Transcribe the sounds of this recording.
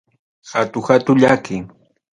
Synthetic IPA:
xat̪ʊhat̪ʊʎakɪŋ

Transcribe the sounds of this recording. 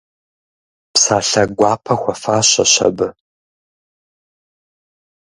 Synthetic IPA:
psaːɬɐɡʷɑːpʰɐxʷɔfaːɕɐ̰ɕɐ̰bɨ

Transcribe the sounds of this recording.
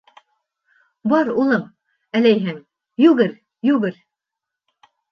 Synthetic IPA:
bɑɾulˠɤm | ælæjɦɘŋ | jʉɣɘɾ | jʉɣɘɾ

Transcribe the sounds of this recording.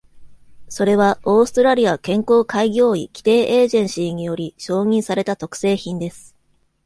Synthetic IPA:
so̞ɾe̞βao̞ːsɨ̥t̪o̞ɾaɾʲiakẽ̞ŋko̞ːkaiɡʲo̞ːḭkʲi̥t̪e̞ːʔeːʑẽ̞ɰ̃ɕiːɲ̟ijo̞ɾʲiɕo̞ːɲ̟ĩɰ̃saɾe̞t̪at̪o̞kɯ̥se̞ːçĩnd̪e̞sɨ̥

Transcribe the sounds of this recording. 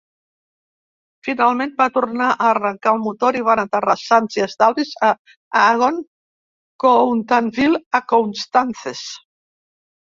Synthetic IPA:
finalˠmẽnbat̪urnaʔaːrəŋkaːlˠmut̪oɾiβanat̪ərasanziəzd̪alβiza | aɣon | kownt̪anfilakonst̪anθes

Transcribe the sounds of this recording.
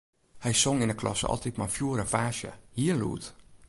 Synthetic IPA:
hɛjsoŋɪnəklʔɔ̰sɔ̰lˠtit̚mafjuəɾəfaːʃjə̰hiːəlṵːt

